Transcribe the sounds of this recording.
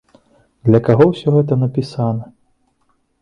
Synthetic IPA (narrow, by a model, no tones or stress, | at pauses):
d̪lʲɐkaɣɔwsʲɔɣɛt̪̬ɐnɐpʲisanɐ